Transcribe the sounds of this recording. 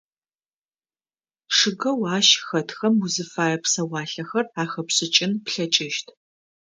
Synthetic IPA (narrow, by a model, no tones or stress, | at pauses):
ʂɨɡɐwaːʃxɐtxɐmuzɨfaːjɐpsɐwɑːɬɐxɐraːxɐpɕɨt͡ʃʼɪnpɬɐt͡ʃʼɪʃtʰ